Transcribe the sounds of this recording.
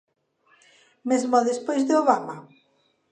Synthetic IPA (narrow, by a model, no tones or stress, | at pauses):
mezmoðespojzðeoβama